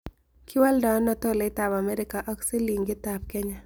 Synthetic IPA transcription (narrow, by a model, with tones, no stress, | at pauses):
kʰɪ˦wa˦lda˨ŋɔ˦nɔ˨t̪ɔ˦lɛ˨ɪ˦t̪a˨ba˨mɛ˦ɾɪ˦ka˨ʔɔ˦kse˦li˨ŋɡɪ˦t̪a˨p̚kɛ˦ɲa˦